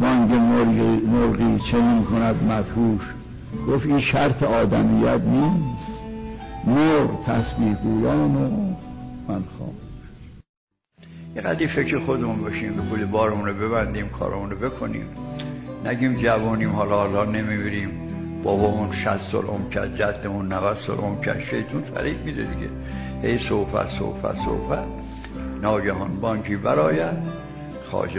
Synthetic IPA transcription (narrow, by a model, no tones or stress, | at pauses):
bɒːŋɟemomoɾɣiːt͡ʃʰeniːnkʰonæd̪mæt̪huːʃ | ɡ̥ofinʃæɾt̪ʰeɒːd̪æmijæt̪ʰniːst̪ | moɾt̪ʰæsbiːhɡuːjɒːmo | mænxɒ̰ːm | jeɣæ̰d̪iːfecɾexod̪emunbɒːʃiːmbexulibɒːɾemunobe̞βænd̪iːmkʰɒ̰ːɾɔ̰munobekʰonḭːmnæɟiːmd͡ʒævuːniːmhɒːlɒhlɒːnemiːmiɾiːm | b̥ɒːbɒmunʃæst̪sɔ̰ːlʔo̰mkʰæɾd͡ʒæd̪ːemunːævæd̪̥sɔ̰ːlʔomkʰæ̰ʃejt̪ʰunfæ̰ɾʔiːɡmid̪ed̪iɟḛ | hejsowfæ̰so̰wfæ̰so̰fæt̪ | nɒːɟæɦɔnbɒːŋkʰiːbæɾɒːjæd̪̥ | xɒ̰ːd͡ʒ